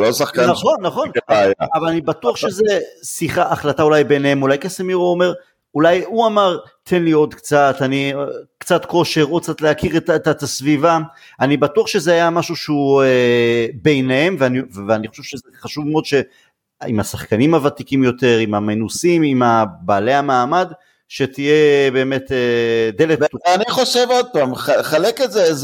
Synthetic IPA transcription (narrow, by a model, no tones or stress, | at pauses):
losaχkanaχo̞nːaχo̞njaavalanibat̪uaχʃezesiχaʔaχlataulajbeneemulajkesemiʁoome̞ʁ | ulajuamaʁt̪ʰe̞nlio̞d̪kt͡sat̪anikt͡sat̪ko̞ʃe̞ʁot͡sat̪leakiʁetet̪t̪asviva | anibatuaχʃe̞zeajamaʃuʃeuebe̞jnehemveanivveaniχo̞ʃev̥ʃezeχaʃuvmeo̞d̪ʃe̞ | ḭmasaχkanimhavat̪ikimjo̞t̪e̞ʁimamenusimimabaːle̞hamaːmad | ʃet̪ijebe̞ːmeted̪e̞letaniχo̞ʃevod̚paːmaχaleketzez